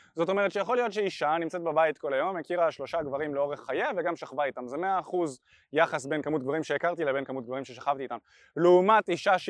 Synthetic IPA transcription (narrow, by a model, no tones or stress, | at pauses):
zo̞to̞me̞ʁ̞ett͡ʃʃejaχo̞lijo̞t̪ʃeiʃanimt͡set̚bebajit̪ko̞lajo̞mekiʁaʃlo̞ʃaɡvaʁimleo̞ʁeχːajeveɡamʃaχvait̪amzeme̞aːχuz | jaχasbe̞nkamut̚ɡvaʁimʃeekaʁt̪ilebe̞nkamut̪̚ɡvaʁimʃeʃaχavt̪iːt̪am | leumat̪iʃaʃ